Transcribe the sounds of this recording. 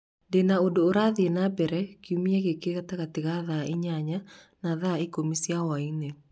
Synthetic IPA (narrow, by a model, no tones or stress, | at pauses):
denaodoːɾaðenabɛɾɛkiumiaɣekeɣataɣateɣaðaʔeɲaɲa | naðaekomisijawaine